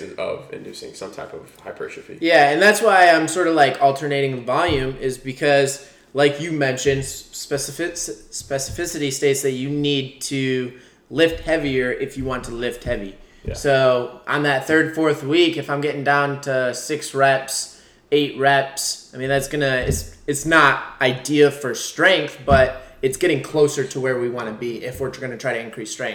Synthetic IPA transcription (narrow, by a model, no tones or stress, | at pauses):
ɨ̃nʌ̰vɪ̰̃ndʉsɪ̰̃ŋsʌ̰̃mtʰa̰ɪpʌ̰v̥haɪpʰə̰˞ʃɨfḭjæɨ̃nðætswaɪãɪ̃msɔɹɾʌvlaɪkʰɔlˠtʰə˞neɪɾɪ̃ŋðəvɑlˠjʉ̃mɪzbɨkʰʌz | laɪkjɨmɛ̃nʃɨ̃nsspɛsɨfɪsspɛsɨ̥fɪsɨɾisteɪtsðɨt͡ʃɨnid̚tʰɨ | lɪft̚hɛviə˞ʔɪfjɨwɑ̃ntʰəlɪft̚hɛvḭ | soʊʔə̰̃nðɨt̪̚θɜ˞d̥fɔɹθwikɨfãɪ̃mɡɛɾɪ̃ŋdãʊ̃ntʰəsɪksɹɛps | eɪʔ̚ɹɛpsaɪmĩnðætsɡ̥ʌnɨɪtsɨtsnəɾaɪdiɨfə˞stɹ̥ɛ̃ŋk̚θb̥ʌɾɨtsɡ̥ɛɾɪ̃ŋkʰl̥oʊsə˞ɾəwə˞wiwɑ̃nɨbiʔɪfwə˞tɡ̥ʌnɨtʰɹ̥aɪɾɨɨ̃nkʰɹ̥istɹ̥ɛ̃ŋ̚